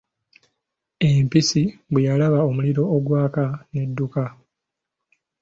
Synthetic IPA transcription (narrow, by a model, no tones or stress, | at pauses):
empisiβwejalaβaomuliɾo̞ːɡwaːkane̞dːuka